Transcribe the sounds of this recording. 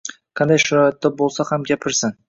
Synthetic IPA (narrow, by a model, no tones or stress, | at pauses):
qʰɑnd̪ɑjʃʊɾɑjɑt̪ːɪbo̞lˠsɑhamɡʲæpʰɪɾsɪn